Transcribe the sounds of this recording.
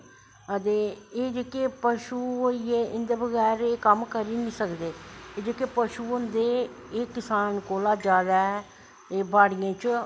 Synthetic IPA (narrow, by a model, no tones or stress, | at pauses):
ət̪eːeːd͡ʒeːkeːpəʃuːoieːʔɪnd̪eːbəɡɛːɾeːkəmkəɾiːnĩːsəkd̪eːeːd͡ʒeːkeːpəʃuːʊnd̪eːeːkɪsaːnkoːlaːd͡ʒaːd̪aːɛ | eːbaːɽɪjãːt͡ʃ